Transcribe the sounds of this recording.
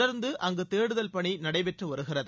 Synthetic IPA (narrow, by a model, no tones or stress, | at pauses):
ɐɾnd̪ɯʔɐŋɡɯt̪eːɽɯðɐlpɐɳinɐɽɐɪpɛʈrɯʋɐɾɯɣɪrɐðɯ